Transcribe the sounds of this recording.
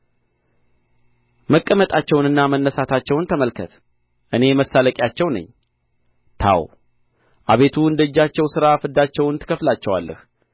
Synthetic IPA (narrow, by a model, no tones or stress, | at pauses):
məkʼːəmət̪ʼat͡ʃːɛwnɨnːamənːəsat̪ʰat͡ʃːɛwnt̪ʰəməlkʰət̪ | ʔɨne̞məsːaləkʼjat͡ʃːɛwnə̰ɲː | t̪ʰa̰w | ʔaβe̞t̪ʰuɨnd̪əɨd͡ʒːat͡ʃːɛwsɨɾafɨd̪ːat͡ʃːɛwnt̪ʰɨ̥kʰəflat͡ʃːɛwa̰lːə̰h